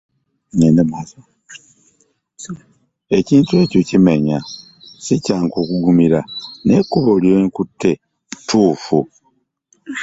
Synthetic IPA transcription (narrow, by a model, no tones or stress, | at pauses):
ɲenemas | e̞ciːntue̞ːco̞cime̞ɲa | sicaːŋko̞ːkuɡumiɾane̞kuβoljoŋkutːe̞ | tʰuːfu